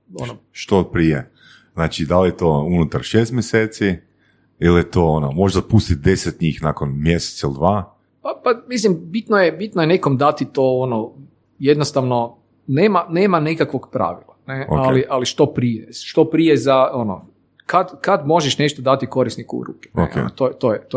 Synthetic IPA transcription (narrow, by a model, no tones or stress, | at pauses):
onoʃt̪opɾije | znaːt͡ʃid̪aljet̪ounut̪aɾʃest̪mjeseːt̪si | iljet̪oonomo̞ʒd̪apust̪it̪̚d̪eset̪ɲiːxnakonmjeset̪sailid̪ʋaː | papamislimbit̪nojebit̪nojeneko̞md̪at̪it̪o̞ono | jed̪nost̪aʋno̞ | neːmaneːmanekakʋo̞ɡpɾa̰ʋilˠane̞okaliʔaliʃt̪o̞pɾijeʃt̪o̞pɾijezao̞no̰ | kad̪kad̪mo̞ʒeʃne̞ʃt̪od̪at̪iko̞ɾisnikṵɾṵːke̥neo̰kḛt̪ot̪ojet̪o